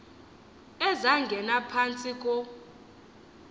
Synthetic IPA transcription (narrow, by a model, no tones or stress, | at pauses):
ɛzaŋɡʱɛnapʰant͡sʼikʼɔ